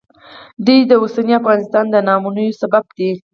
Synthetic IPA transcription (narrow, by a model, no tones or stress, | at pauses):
d̪ujd̪əosaniafɣɑnɪst̪ɑnd̪ənɑmunəjosabab̚d̪i